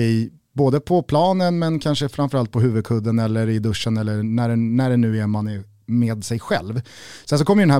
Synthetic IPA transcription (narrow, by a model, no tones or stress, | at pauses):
ɪj | boːd̪əpʰɔpʰlɑːnənmɛnkʰanʂəfɾanfœɾalt̪̚pʰɔɦʉ̟ːvɵd̪̚kʰɵd̪ːənɛlːəɾɪd̪ɵʂːənɛlːənæɖɛnæɖɛnʉ̟ːæɾman | meːd̪sɛjɧɛ̰lvsɛns̬ɔkɔmːɾjɵɖɛnɦæ